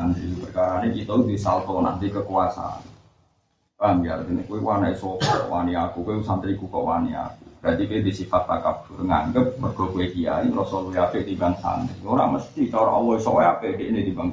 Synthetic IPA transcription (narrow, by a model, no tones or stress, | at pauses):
ndipərkaɾanekit̪ɔd̪isalt̪ɔna̰nt̪ikəkuasa̰a̰n | ambiaɾk̪ənekuwewanaʔisɔkɔkɔ̰ʔwaniakukuwesant̪əɾikukɔʔwania̰kudant̪ikued̪isifat̪ːakab̥ʊ̤rŋa̰ŋɡəp̚ːərɡ̥ɔ̤kueɡia̰iŋɾɔsɔluiapeʔt̪ibaŋsa̰nt̪ioɾa̰məst̪it͡ʃɔɾɔ̰ʔɔwɔisɔwɔapedeʔnet̪ibaŋ